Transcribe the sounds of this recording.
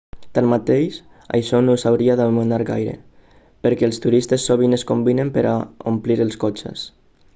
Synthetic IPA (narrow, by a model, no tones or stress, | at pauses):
t̪anmat̪ejʃ | a̰jʃɔnosawɾiaðaβmunaɾɣa̰jɾḛ | pəɾkɛːlˠst̪uɾist̪esːoβineskombinempeɾʔa̰ompliɾəlˠskot͡ʃḛs